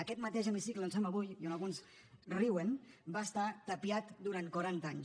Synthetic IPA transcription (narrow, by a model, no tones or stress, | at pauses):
əkɛt̪mat̪eʒəmisikləonsɛmaβujionalˠɣuns | riwənbaːst̪at̪əpiat̪d̪uɾant̪kwaɾant̪aɲ